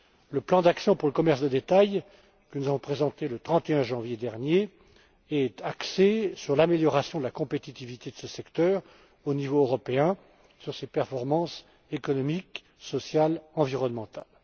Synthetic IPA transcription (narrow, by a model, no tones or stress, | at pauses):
ləplɑ̃d̪aksjɔ̃puʁləkɔmɛʁsd̪əd̪et̪aj | kənuzavɔ̃pχezɑ̃t̪elət̪χɑ̃t̪eɛ̃ʒɑ̃vjed̪ɛʁnje | ɛt̪aksesyʁlameljɔʁasjɔ̃d̪əlakɔ̃pet̪it̪ivit̪ed̪əsəsɛkt̪œːʁ | onivoøʁɔpeɛ̃ | syʁsepɛʁfɔʁmɑ̃s | ekɔnɔmik | sɔsjalɑ̃viʁɔnmɑ̃t̪al